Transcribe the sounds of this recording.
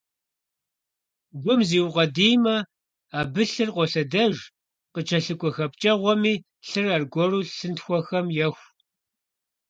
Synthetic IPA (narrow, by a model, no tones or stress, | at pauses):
ɡʷʊmziːwʁɐdiːmɐ | aːbɨɬɨrqʷɔɬɐdɐʒ | qət͡ʃʰɐɬɨkʷʼɔxɐp̚t͡ʃʼɐʁʷɔmiː | ɬɨrɐrɡʷɔruːɬɨntxʷɔxɐmjɛxʷ